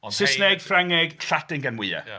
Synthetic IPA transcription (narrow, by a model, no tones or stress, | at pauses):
sɪsneɡ̥fraŋɪɡɬadɪŋɡanwɪa̰